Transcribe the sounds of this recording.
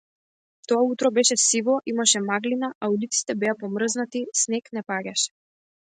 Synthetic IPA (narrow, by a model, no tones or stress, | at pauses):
t̪ɔaut̪ɾɔbɛʃɛsivɔʔimaʃɛmaɡlinaʔaulit̪si̥t̪ɛbɛapɔmr̩znat̪isnɛknɛpaɟʲaʃɛ̥